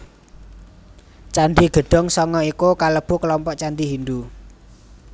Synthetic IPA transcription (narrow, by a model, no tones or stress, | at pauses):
t͡ʃand̪iɡ̥ə̤ɖ̥ɔ̤ŋsɔŋɔikukaləb̥ukəlɔmpɔʔt͡ʃand̪iɦind̪u